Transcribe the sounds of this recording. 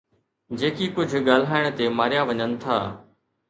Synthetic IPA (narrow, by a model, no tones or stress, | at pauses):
d͡ʒeːkiːkʊd͡ʒʱɠaːlɦaːɪɽ̃t̪eːmaːɾɪjaːʋəɲənt̪ʰa̰ː